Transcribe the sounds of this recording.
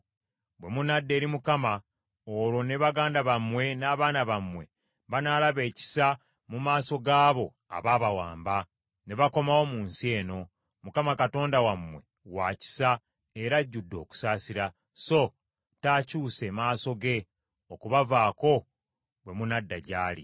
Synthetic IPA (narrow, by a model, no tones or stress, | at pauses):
bwe̞munadːe̞ːɾimukama | oɾo̞ne̞βaɡaːndaβamwe̞naːβaːnaβamwe̞̰ | βanaːlaβe̞ːci̥sa | mumaːso̞ɡaːβo̞ | a̰βaːβawaːmba | ne̞βako̞mawo̞muːnsie̞ːno̞ | mukamakato̞ːndawamwe̞̰ | waci̥sa | eɾaɟːudːo̞̰ːku̥saːsiɾa | so̞ | taːcuːse̞maːso̞ɡe̞ | okuβavaːko̞ | bwe̞munadːaɟaːlḭ